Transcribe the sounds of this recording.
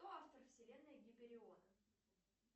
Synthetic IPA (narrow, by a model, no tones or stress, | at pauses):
oaft̪ərfsʲɪlʲe̞nːəjəɡʲɪpʲɪɾʲɪonə